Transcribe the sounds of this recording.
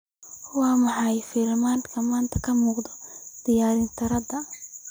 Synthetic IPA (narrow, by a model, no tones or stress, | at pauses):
wɑːmɑħɑjfɪlmaːnkʰɐmaːnt̪ʰɐkʰɐmuːqd̪ɔd̪̥ɪjaːɾɪnt̪ʰɐɾɐd̪ɐ